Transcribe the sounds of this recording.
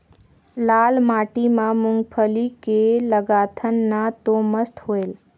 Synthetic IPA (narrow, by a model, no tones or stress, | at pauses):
laːlmaːʈimãmʊ̃ŋɡpʰəlikeləɡaːt̪ʰənːãt̪oməst̪ɦoːeːl